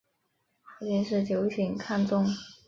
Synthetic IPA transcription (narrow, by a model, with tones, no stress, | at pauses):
a˨˧˩t͡ɕɛ˥˧nʂɻ̩˥˩t͡ɕjo˧˥ʊɕʰi˧˩˦ŋkʰa˥˧nt͡sʊ˥˧ŋ